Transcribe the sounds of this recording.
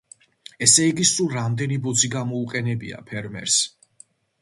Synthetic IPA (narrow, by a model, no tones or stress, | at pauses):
ɛsɛiɡisulˠɾamd̪ɛnibɔd̪ziɡamɔuqʼɛnɛbḭa̰pʰɛɾmɛ̰ɾs